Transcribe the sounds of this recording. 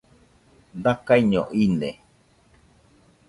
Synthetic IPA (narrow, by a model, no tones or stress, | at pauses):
d̪akaiɲõ̰ʔinḛ̃